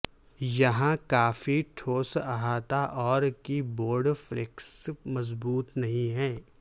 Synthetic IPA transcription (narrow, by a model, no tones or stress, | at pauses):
jɐɦãkaːfiʈʰoːsaɦaːt̪aʔɔːɾkiboːɾɖfɾɪksmɐzbuːt̪nɐɦĩɦɛː